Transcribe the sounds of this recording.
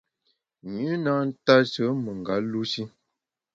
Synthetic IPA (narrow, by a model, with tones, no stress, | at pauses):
ɲʉ˦na˦n̩˦ta˦sə˨˦mə˨ŋ˨ɡa˨˦lu˦si˦